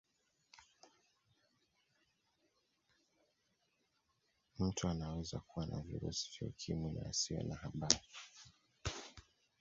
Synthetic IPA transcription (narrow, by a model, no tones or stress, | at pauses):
m̩tuanawɛzakuwanʔavḭɾṵsi̥vaukʰiminaasiɔ̰nahaɓaɾi